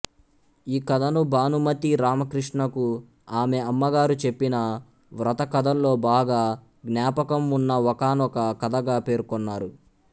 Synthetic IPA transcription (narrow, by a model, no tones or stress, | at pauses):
iːkɐd̪ɐnubaːnumɐt̪iɾaːmɐkɾiʂɳɐku | aːme̞ɐmːɐɡaːɾut͡ʃe̞pːinɐ | ʋɾɐt̪ɐkɐd̪ʱɐllo̞ːbaːɡaː | ɡnjaːpɐkɐmunːɐɔkaːnɔkɐkɐd̪ʱɐɡaːpe̞ːɾkɔnːaːɾu